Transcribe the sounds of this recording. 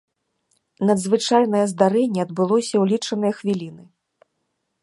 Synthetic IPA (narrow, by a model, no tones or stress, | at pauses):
nɐd̪zvɨt͡ʂajn̪ɐjɐzd̪aɾɛnʲːɛɐd̪̚bɨlˠɔsʲɐwlʲit͡ʂɐnɨjɐxvʲilʲinɨ